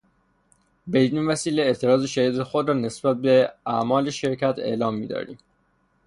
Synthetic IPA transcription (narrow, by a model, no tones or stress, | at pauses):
beiniːnvæsiːleːt̪ʰe̞ɾɒːzeʃæiːd̪ɾexod̪ɾɒːne̞sb̥æt̪̚be̞æmɒːle̞ʃe̞ɾcʰæt̪ʰe̞̰ːlɒːmːiːd̪ɒ̰ːɾḭːm